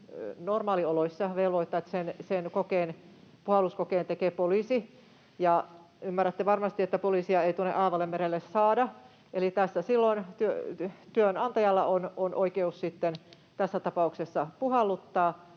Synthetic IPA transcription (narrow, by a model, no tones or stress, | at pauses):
normɑːlioloisːɑʋelʋoit̪ːɑet̪ːæ̥sensenkokeːnpuhɑlːˑuskokeːnt̪ekeːpolisi | jɑ | ymːæræt̪ːeʋɑrmɑst̪iet̪ːæpoliːsiɑeit̪uonḛʔɑːʋɑlːemmeɾelːessɑːdɑ | elit̪æsːæsilːont̪yø̰t̪yønɑnt̪ɑjɑlːɑ̰ʔononʔoikeussit̪ːen | t̪æsːæt̪ɑpɑuksesːɑpuhɑlːˑut̪ːɑː